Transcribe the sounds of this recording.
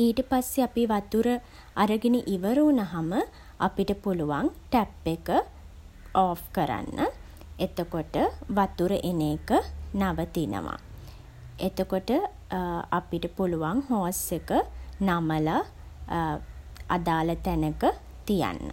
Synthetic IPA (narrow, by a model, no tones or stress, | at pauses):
iːʈəpasːeapiʋat̪uɾə | aɾəɡiniʔiʋəɾuːnaɦamə | apiʈəpuluʋaŋʈæpːekə | ɔːfkəɾa̰nːə | et̪okoʈəʋat̪uɾəʔeneːkənaʋət̪inə̰ʋa̰ | et̪okoʈə | apiʈəpuluʋaŋhoːsekənaməla | a̰d̪aːlət̪ænəkə | t̪ija̰nːə̰